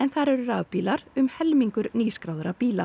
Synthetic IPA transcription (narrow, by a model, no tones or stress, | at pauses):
ɛnθaɾɛɾʏraːvpiːlaɾʏmhɛlmiŋkʏɾniːskɾaːwðʏɾapiːla̰